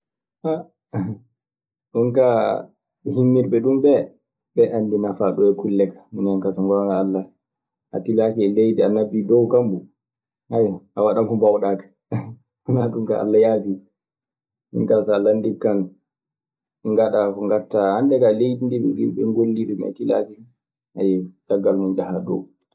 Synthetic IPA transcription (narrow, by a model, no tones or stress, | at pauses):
ha | ɗunka | himːiɾɓɛɗumbɛ | bɛʔandinafaɗɔɛkulːɛkḁminankasaŋɡɔŋaːlːa | ʔa̰tilakɛɛlejdianːabidɔwkambu | hajʔawaɗamkɔmbawɗaːkḁ | naɗumka̰ʔa̰lːajaːfi | ḭŋkasalandikːan | ŋɡaɗakɔŋɡaɾtahandɛkalejdindiɓɛ̰ɗḭnɓɛŋɡolːiɗɛma̰tila̰kɛ | ha̰jɛd̥aɡːalmund͡ʒahaɗɔ̰w